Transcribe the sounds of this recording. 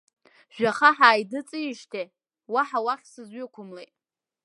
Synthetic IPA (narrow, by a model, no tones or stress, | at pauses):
ʒᶣaχaħaːjdɨt͡sʼɨjiʃtʰe | waħawaχʲsɨzɥʏkʷʰʊmlet